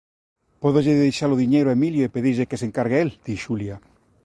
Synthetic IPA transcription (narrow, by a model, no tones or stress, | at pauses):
poðoʎeðejʃaloðiɲejɾoemiljoepeðiʎekeseŋkaɾɣeeld̪̥iʃulja